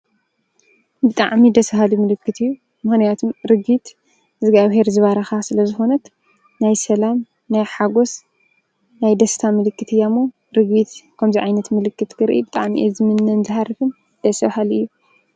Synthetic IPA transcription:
bɨt̪ʼaʕmid̪ɐsɐhalumɨlɨkːɨt̪ʰɨjːu | mɨxnijat̪ʰomɾɨɡit̪ | zɨɡaβɦeɾzɨβaɾɐxasɨlɐzɨxo̞nɐt̪ | najsɐlam | najħaɡo̞s | najd̪ɐst̪ʰamɨlɨkːɨt̪ʰɨjːamːo | ɾɨɡbit̪kʰɐmziʕajnɐt̪mɨlɨkːɨt̪kʰɨɾʔḭbɨt̪ʼa̰ʕmiʔezɨmɨnːɨnzɨhaɾɨfɨn | d̪̥ɐsahalɨjːu

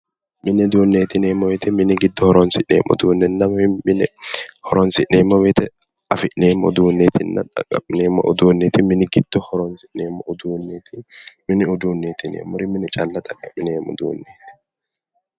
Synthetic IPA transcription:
mɪnɪd̪uːnːeːt̪ɪneːmːɔwɛt̪ɪmɪnɪɡɪd̪ːɔhɔɾɔnsɪʔeːmːʔɔ̰d̪uːnːɛnːɐmɪmɪnɪhɔɾɔnsɪʔeːmːɔwɛt̪ɛ | ɐfɪʔneːmːʊd̪uːnːet̪ʰɪnːɐ̰t̪ʼɐ̰kʼːɐ̰mɪneːmːɔ̰ʔʊd̪uːnːɛt̪ɪmɪnɪɡɪd̪̥ːɔhɔɾɔnsɪʔneːmːɔʔʊd̪uːnːet̪ɪmɪnɪʊd̪uːnːeːt̪ɪnḛːmːɔɾɪmɪnɪt͡ʃʼɐlːɐt̪ʼɐkʼːɐmːɪneːmɔ̰d̪ṵːnːeːt̪ɪ̥

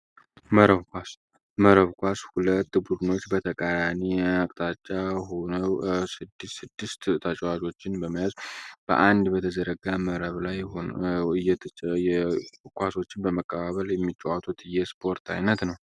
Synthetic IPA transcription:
məɾəβkʷas | məɾəβkʷashulət̪ːbud̪ɨno̞t͡ʃːbət̪ʰəkʼajamiakʼt̪ʼat͡ʃʼːahonəwsɨd̪ːɨsɨd̪ːɨst̪t̪ʰət͡ʃʼwad͡ʒo̞t͡ʃːɪnbəməjazb̥ə̰ʔand̪bət̪ʰəzəɾəɡaməɾəβlajoɨjːɛt̪ʰɛkʷaso̞t͡ʃːɪnbəməkʼːəβaβəljɛmːit͡ʃʼːəwat̪ʰut̪ɨjːɛspʰo̞ɾt̪ʰa̰jnət̪nəw

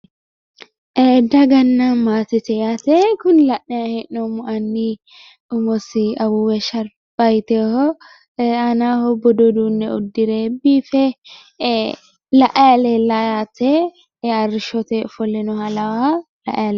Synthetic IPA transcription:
ʔɛd̪ɐɡɐnːɐmaːt̪ɪt̪ɛjat̪ɛkʊnlɐʔːɛɐhɛʔnɔmʊʔɐnːi | ʊmɔsɪɐwuwɛʃɐɾ | b̥ɐjt̪ɛhɔ | ɐnahɔbɔd̪ɔd̪uːnːɛɔ̰d̪ːɪɾebiːfɛ | lɐʔɐjɐlɛlɐjat̪ɛ | ɐrɪʃɔt̪ɛfɔlɛnɔhɐlɐwa | lɐ̰ʔɐjɐlɛ

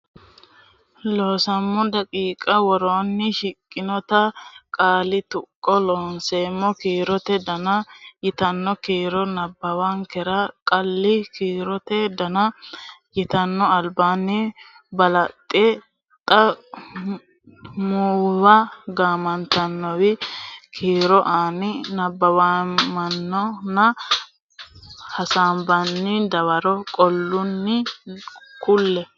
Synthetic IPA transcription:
loːsɐmːɔd̪ɐkʼiːkʼɐwɔɾoːnːɪʃɪkʼːɪnɔt̪ɐkʼaːlɪt̪ʊkʼːɔloːnseːmːɔkiːɾɔt̪ɛd̪ɐnɐjɪt̪ɐnːɔkiːɾɔnɐbːɐwɐŋkɛɾɐkʼɐlːɪkiːɾɔt̪ɛd̪ɐnɐjɪt̪ɐnːɔɐlbaːnːɪ | bɐlɐt̪ʼːɛ | t̪ʼɐ | muːwɐɡaːmɐnt̪ɐnːɔwɪkʰiːɾɔʔaːnɪnɐbːɐwamɐnːɔnɐ | hɐsaːmbɐnːɪd̪ɐwɐɾɔkʼɔlːʊnːɪ | kʊlːɛ

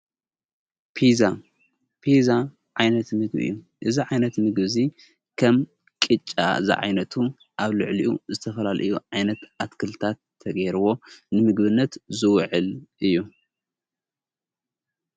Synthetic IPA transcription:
pʰiza | pʰiza | ʕajnɐt̪mɨɡbɨ̰jːu | ʔɨziʕajnɐt̪mɨɡβzi | kʰɐm | kʼɨt͡ʃʼːa̰zḭʕa̰jnɐt̪ʰu | ʔaβlɨʕliʔuzɨt̪ʰɐfɐlalʔɨ̰juʕajnɐt̪ʔat̪kʰɨlt̪ʰat̪ʰːɐɡɐjɾɨβo̞nɨmɨɡβɨnːɐt̪zɨwʕɨlʔɨjːu

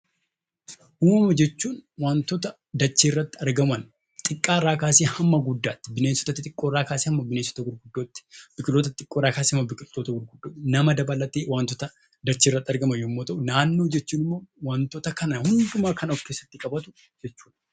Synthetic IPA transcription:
huːmɐd͡ʒɛt͡ʃːuːnwaːnt̪ɔt̪ɐ | d̪ɐt͡ʃːeːrːɐt̪ːɪ̥ɐɾɡɐmɐn | t̪ʼɪkʼːaːrːaːkaːsiːhɐmːɐɡʊd̪ːaːt̪ːɪbɪneːsːɔ̥t̪ɐt̪ːɪt̪ʼɪkʼːoːrːaːkaːsehɐmːɐbɪneːsːɔ̥t̪ɐɡʊɾɡʊd̪ːoːt̪ːɪ̥b̥ɪkʼɪlt̪ot̪ɐt̪ʼɪkʼːoːɾaːkaːshɐmːɐbɪkʼɪlt̪oːt̪ɐɡʊɾɡʊd̪ːoːnɐmɐd̪ɐbɐlːɐt̪eːwaːnt̪ɔt̪ɐ | d̪ɐt͡ʃːeːrːɐt̪ːɐɾɡɐmɐjjomːoːt̪ɐʔʊnaːnːoːd͡ʒɛt͡ʃːuːnɪmːo̞ːwɐnt̪ɔt̪ɐkɐnɐhʊnd̪ʊmaːkɐnɔkːe̞ːsːɐt̪ːɪkʼɐbɐt̪ʊ̥ | d͡ʒɛt͡ʃːuːᶑɐ

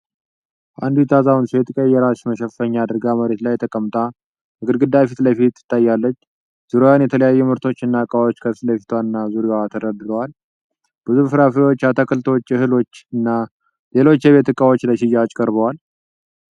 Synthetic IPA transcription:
ʔa̰nd̪ujiɛt̪ʰazawunsojɛt̪ɨkʼəjːɛɾaʃməʃɛfəɲːaːd̪ɨɾɡaməɾe̞t̪lajt̪ʰəkʼəmt̪ʼa | mɨɡɨd̪ɡɨd̪afit̪ləfit̪ɨ̥t̪ːajːalːət͡ʃː | z̥uɾewanjɛt̪ʰələjajːumɨɾt̪ʰo̞t͡ʃːɨnːakʼawo̞t͡ʃːkʰəsləfit̪ʰwaɨnːazuɾewat̪ʰəɾəd̪ɨɾəwal | b̥ɨzufɨɾafiwo̞t͡ʃːat̪ʰəkʰəlt̪ʰot͡ʃːɨɦɨlo̞t͡ʃːɨnːa | le̞lo̞t͡ʃːjɛβe̞t̪ɨkʼawot͡ʃːləʃɪjat͡ʃʼːkʼəɾbəwal

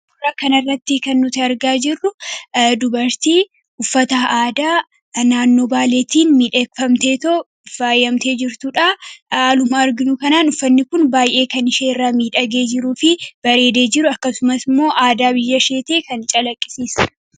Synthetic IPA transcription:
bʊrːaːkɐnɐrːɐt̪ːɪkɐnːʊt̪ɪɐɾɡaːd͡ʒɪrːʊd̪ʊbɐɾt̪iː | ʊfːɐt̪aʔaːd̪aː | naːnːo̞ːbaːleːt̪iːnmiːᶑɐkfɐmt̪e̞ːt̪o | baːjɐmt̪e̞ːd͡ʒɪɾt̪ʊᶑaaːlʊmaːɐɾɡɪnʊkɐnaːnʊfːɐnːɪkʊnbaːjʔe̞ːkɐnɪʃeːɪrːaːmiːᶑɐɡe̞ːd͡ʒɪɾuːfɪb̥ɐɾe̞ːd̪e̞ːd͡ʒɪɾʊɐkːɐsʊmɐsɪmːo̞ːʔaːd̪aːbɪjːɐʃe̞ːt̪e̞ːkɐnt͡ʃʼɐlɐkʼːɪ̥siːsɐ

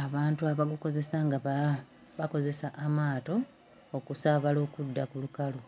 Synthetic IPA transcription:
aβaːntuaβaɡuko̞ze̞saŋɡaβa | βako̞ze̞saʔamaːto̞ː | kusaβalo̞ːkudːakulukalo

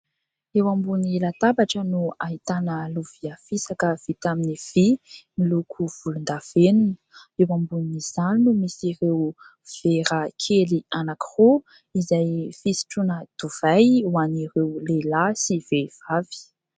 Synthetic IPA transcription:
ewambunilat̪abaʈ͡ʂənuaɦit̪anəluviafisakəv̥it̪aminiv̥imilukʰuv̥ulund̪av̥enunə̥ewambuniz̥annumisiɾew | v̥eɾəkʰelianakʰiro | izajfisi̥ʈ͡ʂunəd̪̥uv̥ajwaniɾewlelasivev̥avi̥

